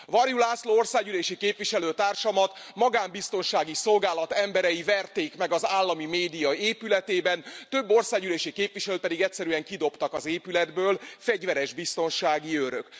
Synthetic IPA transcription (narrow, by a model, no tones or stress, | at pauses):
vɒrjulaːsloːo̞rsaːɡyleːʃikeːpʋiʃɛløːt̪aːrʃɒmɒt̪mɒɡaːmbist̪o̞nʃaːɡiso̞lɡaːlɒt̪ɛmbɛɾɛjivɛrt̪eːkmɛɡɒzaːlːɒmimeːd̪ijɒeːpylɛt̪eːbɛnt̪øbːo̞rsaːɡyleːʃikeːpʋiʃɛløːt̪̚pɛd̪iɡɛcsɛɾyɛŋkid̪o̞pt̪ɒkɒzeːpylɛd̪bøːlfɛɟʋɛɾɛʒbist̪o̞nʃaːɡiøɾøk